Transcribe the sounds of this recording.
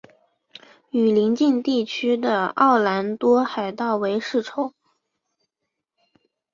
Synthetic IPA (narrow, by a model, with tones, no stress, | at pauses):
y˨˩li˧˥ŋt͡ɕi˥˧nt̪i˥˩t͡ɕʰy˥d̪ə˨ɑ̰˥˩ʊla˧˥nt̪wɔ˥xa˨˩ɪt̪ɑ˥˩ʊwe˧˥ɪʂɻ̩˥˩ʈ͡ʂʰo˨˩˦ʊ